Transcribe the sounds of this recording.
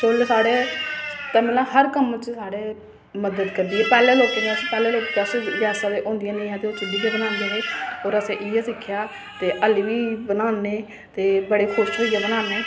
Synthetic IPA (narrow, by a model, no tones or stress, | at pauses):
solsaːɽeːt̪ɛ̃ːmelãːɦəɾkəmt͡ʃsaːɽeː | məd̪əd̪kəɾd̪iːɛːpɛːleːloːkːnẽːəsĩːpɛːleːloːkːɛsẽʋjaːsaːd̪eːʔõːnd̪ijãːnẽĩːɦɛːt̪eːoːt͡ʃɪɖiːb̪eːbənaːnd̪ẽɦeːoːɾəsẽːʔɪjãːsɪkʰɪjaː | t̪eːʔəlʋiːbənaːneː | t̪eːbəɽeːxʰʊʃɦoːijeːbənãːneː